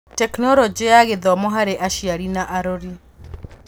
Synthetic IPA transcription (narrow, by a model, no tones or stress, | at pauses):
tɛknɔɾɔd͡ʒeaɣeðɔmɔɦaɾeʔaʃiaɾinaʔaɾɔɾi